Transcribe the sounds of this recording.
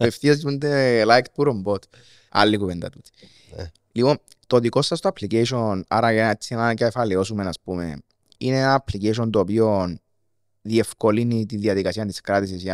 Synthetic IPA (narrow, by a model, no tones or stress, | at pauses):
efθiɐzɟund̪elajkt̪̚puɾombot̪ | ɐ̰lːikuvend̪ɐ̰t̪ut̪i̥ | lipo̞n | t̪ot̪iko̞sːɐst̪oɐpʰliceiʃona̰ɾɐjɐet͡sːinacefɐleo̞sume̞naspume̞̰ | ḭneenanɐpliceʃ̬ont̪opion | ðie̞fko̞linit̪iðiɐðikɐsiɐnt̪iskɾat̪is̬is